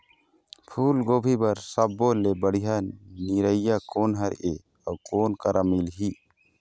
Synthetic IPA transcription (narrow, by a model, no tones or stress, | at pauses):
pʰuːlɡobʱibaɾsəbːɔlebəɽiɦaniɾəjjakɔnɦaɾɛ̰ʔe | akɔːnkaɾamilɦi